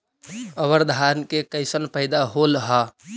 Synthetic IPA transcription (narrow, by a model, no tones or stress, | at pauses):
əβəɾd̪ʱankekəɪsənpəɪd̪aɦolɦɔ